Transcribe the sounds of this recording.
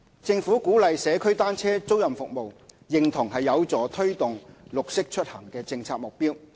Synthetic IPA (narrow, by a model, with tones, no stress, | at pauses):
t͡sɪ˧ŋfuː˨˥kuː˨˥lɐ˨jsɛː˨˧kʰɵ˥ɥt̪aː˥nt͡sʰɛː˥t͡so˥wjɐ˨mfʊ˨k̚mo˨w | jɪ˨ŋt̪ʰʊ˨˩ŋɦɐ˨jːɐ˨˧wt͡sɔː˨˥t̪ʰɵ˥ɥt̪ʊ˨ŋlʊ˨k̚sɪ˥k̚t͡ʃʰɵ˥t̚hɐ˨˩ŋkɛː˧t͡sɪ˧ŋt͡sʰaː˧k̚mʊ˨k̚piː˥w